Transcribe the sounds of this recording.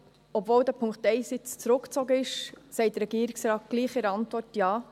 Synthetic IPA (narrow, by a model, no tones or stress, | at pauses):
ɔbvoːld̪æpʰʊŋktɛɪsɪt͡st͡sɾʊkt͡sɔɡəɪʃsɛɪt̚d̥̪əɾɛɡiːɾɪksɾɑːt̚ɡ̥liːχɪɾɑntvɔrtjɑː